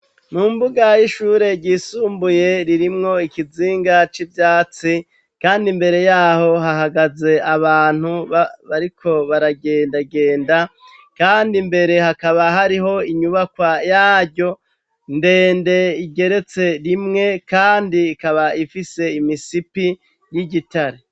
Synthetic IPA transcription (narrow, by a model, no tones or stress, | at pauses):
nuːmbuɡajiʃuːɾe̞ɟisuːmbuje̞ɾiɾimŋo̞ikiziːŋɡat͡ʃibjaːt͡si | kaːndimbe̞ɾe̞jaːho̞ɦaɦaɡaze̞ʔaβaːn̥huβaβaɾikʰo̞βaɾaɡe̞ːndaɡe̞ːnda | kaːndimbe̞ɾe̞hakaβaɦaɾiɦo̞iɲuβakwajaːɟɟo̞ | nde̞ːnde̞iɡe̞ɾe̞t͡se̞ɾimŋe̞kaːndiːkaβaifise̞imisipi | jiɟitaɾe